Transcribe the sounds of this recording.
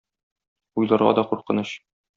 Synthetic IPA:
ujlˠɑɾʁɑ̰d̪ɒquɾqɤ̆nɤɕ

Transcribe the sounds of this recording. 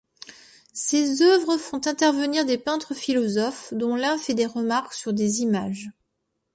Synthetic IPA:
sezœvʁəfɔ̃t̪ɛ̃t̪ɛʁvəniʁd̪epɛ̃t̪χəfilɔzɔfd̪ɔ̃lɛ̃fɛd̪eʁəmaʁksyʁd̪ezimaʒ

